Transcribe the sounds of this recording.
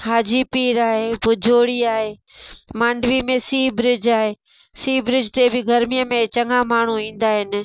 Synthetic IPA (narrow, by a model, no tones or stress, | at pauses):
haːd͡ʑipiːɾaːɦebʊd͡ʑʱoːɽiaːɦe | mãːɳɖʋimẽsiːbɾɪd͡ʑaːɦeː | siːbɾɪd͡ʑt̪ebɪɡʱɐɾmijəmẽt͡ɕɐŋamaːɳ̤uĩːnd̪aːɦɪnɪ̆